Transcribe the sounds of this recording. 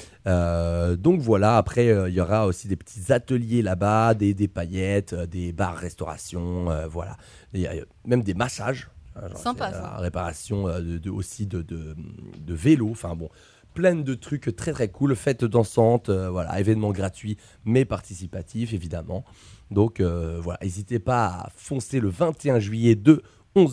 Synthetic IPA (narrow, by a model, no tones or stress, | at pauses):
ød̪ɔ̃kvwalaːpχɛøiljɔʁaosid̪epə̥t̪ʰi̥zat̪əljelabad̪ed̪epajɛt̪ød̪eba̰ʁːɛst̪ɔʁa̰sjɔ̃øvwa̰la̰ | ja̰ | mɛmd̪emaʃaʒɛ̰̃ʒ̰̃a̰ʁepaʁa̰sjɔ̃øəo̰sid̪əd̪əmd̪əveloɑ̃fɛ̃bɔ̃ | plɛnd̪ət̪χykt̪χɛt̪χɛkulfɛt̪d̪ɑ̃sɑ̃t̪øvwala̰evɛnmɑ̃ɡʁat̪ɥi | mɛpaʁt̪isipat̪ʰifevid̪amɑ̰̃ | d̪ɔ̃køvwala̰ʔezit̪epaa̰fɔ̃seləvɛ̃t̪eɛ̃ʒɥijɛd̪ə | ɔ̃z